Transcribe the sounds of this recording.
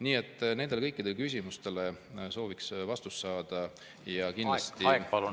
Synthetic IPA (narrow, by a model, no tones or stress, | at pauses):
niːe̞t̪ːˑne̞nd̪elekɤjkːˑid̪e̞lkys̬ʲimust̪e̞le̞so̞ːviksvɑst̪usːɑːd̪̥ɑ | jɑkinlɑst̪ipɑlu